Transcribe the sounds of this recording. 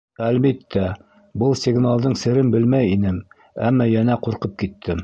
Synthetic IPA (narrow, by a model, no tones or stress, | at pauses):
ælbit̪ːæ | bɤlˠsʲɪɡnalˠd̪ɤɴsɘ̆ɾɘnbɘlmæjinɘm | æ̰mːɑjænæquɾqɤp̚kit̪ʰːɘm